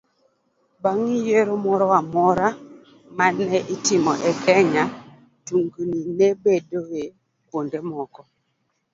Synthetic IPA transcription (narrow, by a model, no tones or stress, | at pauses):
baŋijeɾomɔɾɔwamɔɾa | manɛʔitimɔ̰ʔɛkɛɲa | tuŋɡuninebedoe | pondemɔkɔ